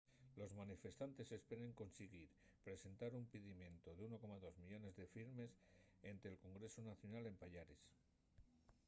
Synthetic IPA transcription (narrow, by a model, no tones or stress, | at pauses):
lo̞zmanife̞st̪ant̪e̞se̞spe̞ɾe̞ŋko̞nseɣiɾ | pɾe̞se̞nt̪aɾumpiðimjẽ̞nt̪oðeuno̞ko̞maðo̞zmiʎo̞ne̞zðe̞fiɾme̞se̞nt̪e̞ːlko̞ŋɡɾe̞sonaθjo̞nale̞mpaʎaɾes